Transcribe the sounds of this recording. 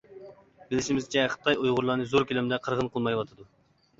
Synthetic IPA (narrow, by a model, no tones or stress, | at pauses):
bɪlɪʃimɪzt͡ʃʰɛχə̥t̪ʰɑjojʁʊɾlˠɑnɨzoɾkʲʰylɪmd̪ɛqʰəɾʁənqʰəlˠmɑjwɑt̪ʰɨd̪u